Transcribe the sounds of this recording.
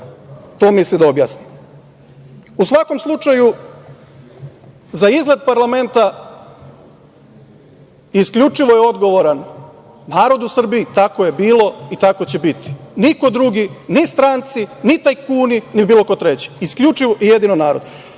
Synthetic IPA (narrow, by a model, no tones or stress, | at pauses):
t̪oːmislid̪aobja̰snim | usʋako̞mslˠut͡ʃaju | zaizɡled̪̚paɾlˠame̞nt̪a | iskʎʲut͡ʃiʋojeo̞d̪ɡo̞ʋoɾan | naːɾo̞d̪usr̩biːt̪ako̞je̞biːlˠo̞it̪ako̞t͡ɕebit̪i̥niko̞d̪ɾuɡinist̪ɾant̪sinit̪ajkuːninibiːlˠo̞ko̞t̪ɾet͡ɕi̥iskʎʲut͡ʃiʋoʔijed̪inonaːɾo̞̰d̪